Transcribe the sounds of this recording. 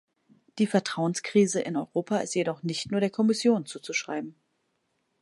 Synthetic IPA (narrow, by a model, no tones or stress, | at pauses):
d̥iːfɛɐtʁ̥aʊənskʁ̥iːzəʔɪ̰nɔʏʁoːpʰaɪ̰stjedɔχnɪçtnuːɐɾdeːɐkʰɔmɪsjoːnt͡suːt͡suʃʁ̥a̰ɪbm̩